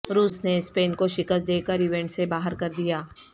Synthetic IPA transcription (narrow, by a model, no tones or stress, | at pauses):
ɾuːsnespeːnkoʃɪkəst̪̚d̪eːkəɾɪʋɛ̃ɳʈsebaːɦəɾkɐɾd̪ijaː